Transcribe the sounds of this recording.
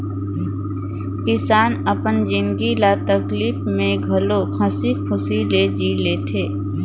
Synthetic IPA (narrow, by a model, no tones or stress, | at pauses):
kɪsaːnəpənd͡ʒɪ̃nɡilaːt̪əkliːfmẽɡʱɐlokʰɐsikʰʊsiled͡ʒileːt̪ʰeː